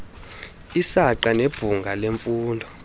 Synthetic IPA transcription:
isaǃaneb̥ʱuŋɡʱaleɱfuːndʱɔ

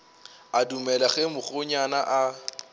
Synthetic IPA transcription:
adumɛlaɣɛmʊχʊɲanaʔa

